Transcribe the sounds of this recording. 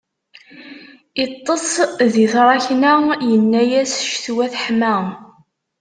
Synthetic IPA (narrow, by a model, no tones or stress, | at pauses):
it̪ˤːəsˤðiθɾˤɑçnæjənːæjæsʃθwæθħmæ